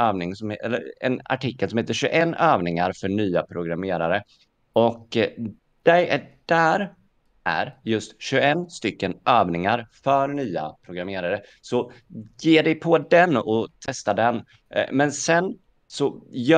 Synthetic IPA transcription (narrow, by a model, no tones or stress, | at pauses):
øːvnɪŋsɔmɛ̰lːə̰ɾɛ̰na̰ʈʰɪkːəlsɔmheːt̪əɾɕʉʔɛnːøːvnɪŋaɾfœɳyːapʰɾʊɡɾameːɾaɾə | ɔk | d̪̥ɛjæɖ̥æɾ | ʔæ̰ɾjɵst̪ɕʉɛnːst̪ʏkːənʔøːvnɪŋaɾfœɾnyːa̰pʰɾʊɡɾameːɾaɾə | sɔjeːɖɛjpʰɔd̪ɛnɔt̪ʰɛst̪ad̪ɛn | mɛnsɛn | sɔj